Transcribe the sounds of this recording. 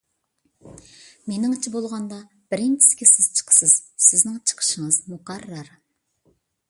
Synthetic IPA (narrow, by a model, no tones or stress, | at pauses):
menɪŋt͡ʃʰibolˠʁɑnd̪ɑ | b̥ɪɾɪnt͡ʃʰi̥skʲɪsɪz̥t͡ʃʰə̥qʰə̥sɨz̥sɪznɪŋt͡ʃʰə̥qʰə̥ʃəŋəz̥mʊqɑɾːɑɾ